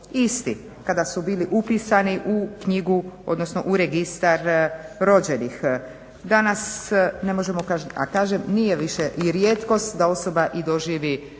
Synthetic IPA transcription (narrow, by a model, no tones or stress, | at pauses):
ist̪i | kad̪asubiːliʔupisaniʔukɲiɡuo̞̰d̪no̞sno̞̰ʔuɾeɡist̪aɾɾo̞d͡ʑe̞nix | d̪anasne̞moʒemokaa̰kaːʒemnijeʋiʃeʔiɾjet̪ko̞st̪d̪ao̞so̞baʔid̪o̞ʒiːʋi